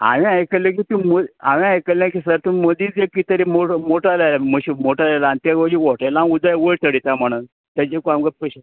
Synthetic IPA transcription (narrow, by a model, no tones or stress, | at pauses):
a̰ʋĩajkəlek̬it̪ũmoa̰ʋĩajkəlãkisəɾt̪ũməd̪iːd͡zekit̪əɾimomoʈalajlaməɕimoʈalajlant̪aɡəd͡ʑiʋoʈalaud̪ajʋət̪əɽit̪am̤əɽ̃un | t̪ad͡ʑekuamkəpəɕ